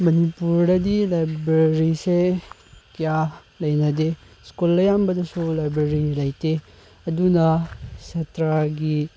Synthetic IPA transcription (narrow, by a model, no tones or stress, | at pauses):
mɐnipuɾdɐdilajbɾeɾise | kijalɐjnɐde | skulːɐjambɐdɐsulajbɾeɾilɐjte | ɐdunɐsetɾaɡi